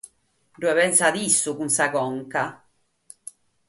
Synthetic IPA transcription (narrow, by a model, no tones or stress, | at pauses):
ɖuwɛβɛnsad̪isːukunsakɔŋka